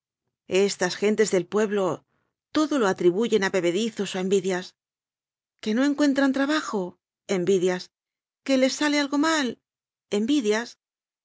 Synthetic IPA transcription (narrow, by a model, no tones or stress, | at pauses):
e̞st̪asxe̞nt̪e̞zðe̞lpwe̞βlo̞ | t̪o̞ðo̞lo̞at̪ɾiβuʝe̞naβe̞βe̞ðiθo̞soe̞mbiðjas | ke̞no̞e̞ŋkwe̞nt̪ɾant̪ɾaβaxo | e̞mbiðjas | ke̞le̞sːale̞alɣo̞mal | e̞mbiðjas